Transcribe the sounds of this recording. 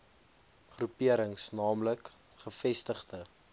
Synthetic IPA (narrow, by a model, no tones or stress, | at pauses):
χrupiəɾəŋsnɑːmlək | χəfɛstəχtə